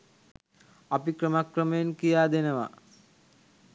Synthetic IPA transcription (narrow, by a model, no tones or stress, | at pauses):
apikɾəmakrəməjenkijaːd̪enəʋa̰